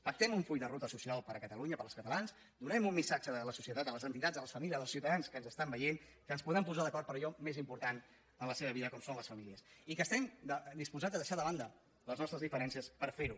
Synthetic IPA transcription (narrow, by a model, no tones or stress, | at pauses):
fək̚t̪ɛmuɱfuʎd̪ərut̪əsusialˠpəɾəkət̪əluɲəpəɾlˠskət̪əlans | d̪unɛmumːisad͡ʒəðələsusiət̪at̪ələzənt̪it̪ad͡zəlˠəsfəmilijəzðəlˠsiuwt̪əðanskənzəst̪ambəjenkənspuðɾɛmpuzaðəkɔɾt̪pəɾəʎɔmezimpuɾt̪an | ənləseβəβ̞iðəkɔmsonləsfəmiliəsikəst̪ɛmd̪əd̪ispuzad͡zəðəʃaðəβand̪ə | ləznɔst̪ɾəzðifəɾɛnsiəspəɾfeɾu